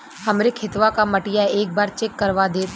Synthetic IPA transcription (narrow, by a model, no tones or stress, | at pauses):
hɐmɾekʰɪt̪ʋakamɐʈɪjaeːk̚baːɾt͡ʃeːkːɐɾʋad̪eːt̪